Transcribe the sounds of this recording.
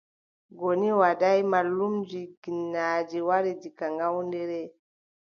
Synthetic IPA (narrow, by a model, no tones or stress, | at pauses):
ɡoniwadajmalːumd͡ʒiɡinːaːd͡ʒiwaɾid͡ʒikaŋɡawndɛɾɛ